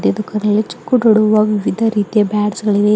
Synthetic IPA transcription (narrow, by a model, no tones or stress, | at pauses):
d̪jɐd̪ukʰːɐnɐilet͡ʃu̥kːuʈoɽuʋɐʋiʋid̪ʱɐɾiːt̪ijɐbaːɖsɡɐɭiʋe